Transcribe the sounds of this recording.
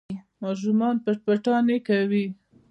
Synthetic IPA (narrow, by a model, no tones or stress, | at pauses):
mɑʃ̬umɑnpapaʈɑnekawi